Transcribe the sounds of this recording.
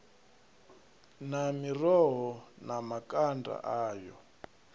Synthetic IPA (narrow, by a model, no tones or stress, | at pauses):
namirɔɦɔnamakʼanda̰ʔaːjɔ